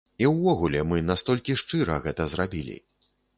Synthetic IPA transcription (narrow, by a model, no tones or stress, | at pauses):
iwvɔɣulʲɛmɨnast̪ɔlʲkʲiʂt͡ʂɨɾɐɣɛt̪ɐzɾabʲilʲḭ